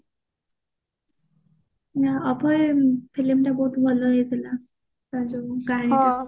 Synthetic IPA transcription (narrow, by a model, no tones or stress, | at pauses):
jaɔpɔjpʰilimʈabɔɦut̪bʱɔlɔɦet̪ʰila | t̪ad͡ʑoɡaɽ̃i